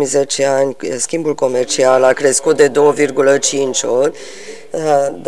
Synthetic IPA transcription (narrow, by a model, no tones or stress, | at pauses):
ize̞t͡ʃe̞anʲskʲimbulko̞me̞rt͡ʃialakɾe̞skut̪̚d̪e̞d̪o̞wəvirɡulət͡ʃint͡ʃʲot̪ʲ | d̪